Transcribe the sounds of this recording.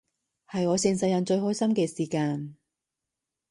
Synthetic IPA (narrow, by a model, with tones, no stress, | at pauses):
hɐ˨jɔː˨˧sɪ˨˧ŋsɐ˧jɐ˨˩nt͡ʃɵ˧ɥhɦɔː˥jsɐ˥mkɛː˧siː˨˩kaː˧n